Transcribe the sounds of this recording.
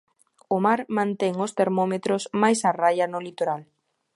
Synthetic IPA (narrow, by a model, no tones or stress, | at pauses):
ʊmaɾmãnt̪ɛŋʊst̪eɾmɔmet̪ɾʊsmajsarajanʊlit̪oɾal